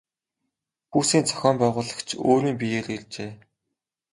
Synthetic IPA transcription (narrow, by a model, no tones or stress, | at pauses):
xuːsiːnt͡sʰœ̥xʲɔːmpæːʁʊːɮə̆kt͡ɕʰoːɾiːmp̬ʲijereɮt͡ɕeː